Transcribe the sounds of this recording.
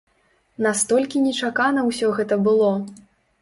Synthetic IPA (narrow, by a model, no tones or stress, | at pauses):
nast̪ɔlʲkʲinʲɛt͡ʂakanɐwsʲɔɣɛt̪ɐbɨlˠɔ